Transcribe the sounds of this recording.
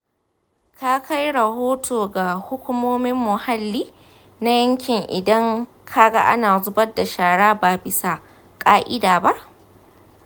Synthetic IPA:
ka˦kʰa˦jɽɐ˨hoː˦tʰoː˨ɡa˨hʊ˦kʷʊ˦moː˦mɪ˦mːʊ˨ha˦lːiː˦ | na˦jɐ˦ŋkʲɪ˨ŋʔɪ̰˨dɐ˦ŋ | kʰa˦ɡa˦ʔa̰˦naː˨zʊ˦bɐ˦da˨ʃaː˨ɽaː˦baː˨bɪ˦sa˨ | kʼaː˦ʔɪ˦daː˨ba˦ʔ

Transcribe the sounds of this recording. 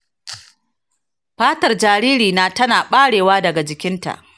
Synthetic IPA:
ɸaː˦tɐ˨rd͡ʒaː˨ɾiː˦ɾiː˨naː˦tɐ˦naː˨ɓaː˦ɽeː˨waː˦dɐ˨ɡa˨d͡ʒɪ˨kʲɪ˦nta̰˨ʔ

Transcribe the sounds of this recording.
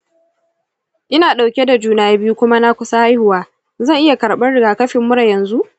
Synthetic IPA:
ʔɪ˦naː˨ɗa˨wkʲe˦da˨d͡ʒuː˦naː˨ja˦bɪ˦ju˦kʷʊ˦ma˦na˦kʷʊ˦sa˦ha˦jhʊ˨waː˦ | zɐ˦˨ŋʔɪ˦ja˨kɐ˨ɽɓɐ˦rɽɪ˨ɡaː˨kɐ˦ɸɪ˨mːʊ˦ɽɐ˨jɐ˨nzu˦ʔ

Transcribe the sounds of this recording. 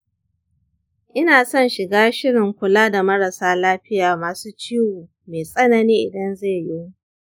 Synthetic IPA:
ʔɪ˦naː˨sɔ˦˨nʃɪ˨ɡaː˦ʃɪ˦ɽɪ˨ŋkʷʊ˨laː˦da˨mɐ˦ɾa˨saː˦laː˦ɸɪ˦jaː˨maː˨suː˦t͡ʃiː˦wuː˨ | meː˨sʼɐ˦nɐ˨niː˦ʔɪ˨dɐ˦nze˦˨jɪ˦u˦

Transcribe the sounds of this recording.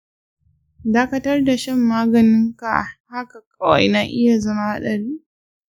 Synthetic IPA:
daː˦kɐ˦tɐ˦rda˨ʃɛ˦mːaː˦ɡɐ˨nɪ˦ŋka̰˨ha˦ka˨kʼɐ˦wɐ̰˨jnaː˦ʔɪ˦ja˨zɐ˦ma˦ha˦ɗɐ˨ɽiː˦

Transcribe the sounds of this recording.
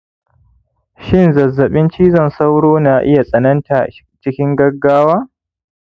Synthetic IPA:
ʃɪ˦˨nzɐ˨zːɐ˨ɓɪ˦nt͡ʃiː˦zɐ˨nsa˦wɽoː˦naː˨ʔɪ˦ja˨sʼɐ˨nɐ˦nta˨ʔ | t͡ʃɪ˦kʲɪ˦ŋɡɐ˦ɡːaː˦waː˦

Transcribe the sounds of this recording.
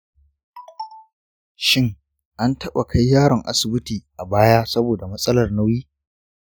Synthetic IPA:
ʃɪ˦ŋ | ʔa˦ntɐ˦ɓa̰˨kʰa˦jːaː˦ɽɪ˨ŋʔa̰˦sɪ˨bɪ˦tiː˨ʔa˨baː˦jaː˦sɐ˦boː˨da˨mɐ˦sʼɐ˦lɐ˨rna˦wjiː˦

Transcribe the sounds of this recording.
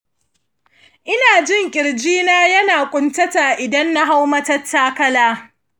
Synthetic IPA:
ʔɪ˦naː˨d͡ʒɪ˦˨ŋkʲʼɪ˨ɽd͡ʒiː˦naː˦jɐ˦naː˨kʷʼʊ˦ntɐ˦ta˨ʔɪ˨dɐ˦nːa˦ɦa˦wmɐ˦tɐ˦tʰːaː˦kɐ˦laː˦

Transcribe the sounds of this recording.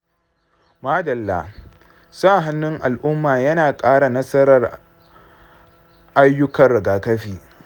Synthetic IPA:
maː˦dɐ˨lːa̰˦ | saː˦˨ɦa˦nːʊ˦ŋʔa˨lʔʊ˦mːaː˨jɐ˦naː˨kʼaː˦ɽa˨nɐ˦sɐ˦ɾɐ˨r | ʔa˦jːʊ˦kɐ˨rːɐ˨ɡaː˨kɐ˦ɸiː˨

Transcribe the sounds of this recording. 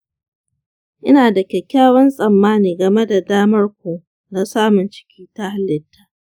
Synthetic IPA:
ʔɪ˦naː˨dɐ˨kʲɛ˨kʲaː˦wɐ˦nsʼɐ˨mːaː˦niː˨ɡɐ˨me˦da˨daː˦mɐ˦rkʷoː˨ | na˦saː˦mʊ˨nt͡ʃɪ̥˦kʲʰiː˦ta˦ha˦lːɪ˨tʰːaː˦ʔ

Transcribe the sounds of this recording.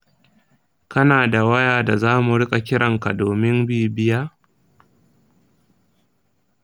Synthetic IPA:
kɐ˦naː˨da˨wɐ˦jaː˨da˨zaː˦mu˨ɽɪ˦kʼa˨kʲɪ˦ɽɐ˨ŋka˨doː˨mɪ˦mbiː˦˨bɪ˦jaː˦

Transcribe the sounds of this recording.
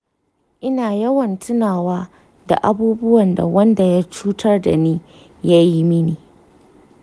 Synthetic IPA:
ʔɪ˦naː˨jɐ˦wɐ˨ntʰʊ˦naː˨waː˦ | da̰˨ʔa˦buː˦bʊ˦wɐ˨nda̰˨wɐ˦nda˨ja˦t͡ʃuː˦tʰɐ˦rda̰˨niː˦ | ja˦ji˦mɪ˦niː˨

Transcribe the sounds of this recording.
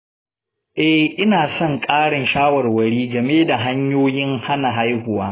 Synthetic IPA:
ʔɛ˦ʔɪ˦naː˨sɔ˦˨ŋkʼaː˦ɽɪ˨nʃaː˦wɐ˨rwɐ˨ɽiː˦ɡɐ˨meː˦da˨ɦa˦ɲjoː˦jɪ˦ŋha˦na˨ɦa˦jhʊ˨waː˦

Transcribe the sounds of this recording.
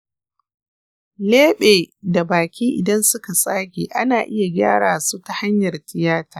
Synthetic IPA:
leː˦ɓeː˨da˨baː˨kʲiː˦ʔɪ̰˨dɐ˦nsʊ˦ka˨sʼaː˦kʲḛː˨ʔa˦naː˨ʔɪ˦ja˨ɡʲa̰ː˦ɽaː˨su˦ta˨ha˦ɲjɐ˨rtɪ˨jaː˦taː˨

